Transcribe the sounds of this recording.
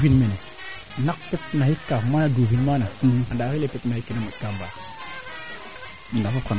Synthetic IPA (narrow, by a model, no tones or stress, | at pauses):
vinmene | nak̚pepnahikːafmanaduvinmanaadaxilepepnajikːinamukamba | ndafafka